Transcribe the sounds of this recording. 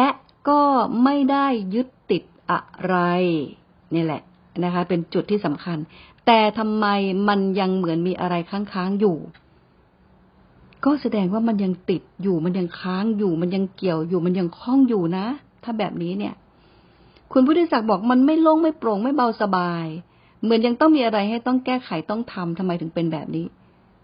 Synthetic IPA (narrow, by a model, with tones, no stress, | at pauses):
lɛ˦˥ʔ | kɔː˥˩ma˥˩jda˥˩jːɯ˦˥t̪ːi˨˩t̪̚ʔa̰˨˩ɾa˧j | niː˥˩lɛ̰˨˩ʔ | na˦˥kʰa˦˥pe˧nt͡ɕu˨˩t̪ʰːiː˥˩sa˩˦mkʰa˧nt̪ɛː˨˩t̪ʰa˧mːa˧jma˧nja˧ŋmɯ˨˩˦ənmiː˧ʔa̰˧ɾa˧jkʰaː˥˩ŋkʰaː˦˥ŋjuː˨˩ | kɔː˥˩sa˧dɛː˧ŋwaː˥˩ma˧nja˧ŋt̪i˨˩t̪̚juː˨˩ma˧nja˧ŋkʰaː˦˥ŋjuː˨˩ma˧nja˧ŋki˨˩əwjuː˨˩ma˧nja˧ŋkʰɔ˥˩ŋjuː˨˩na˦˥ | t̪ʰaː˥˩bɛː˨˩p̚niː˦˥ni˥˩ɐ | kʰu˧npʰuː˥˩t̪ʰːi˥sa˨˩k̚bɔː˨˩k̚ma˧nma˥˩jlo˥˩ŋma˥˩jpɾo˧˩ŋma˥˩jba˧wsa˧baː˧j | mɯ˨˩˦ənja˧ŋt̪ɔ˥˩ŋmiː˧ʔa˧ɾa˧jha˥˩jt̪ɔ˥˩ŋkɛː˥˩kʰa˨˩˦jt̪ɔ˥˩ŋt̪ʰa˧mt̪ʰa˧mːa˧jt̪ʰɯ˩˦ŋpe˧nbɛ̰ː˨˩p̚niː˦˥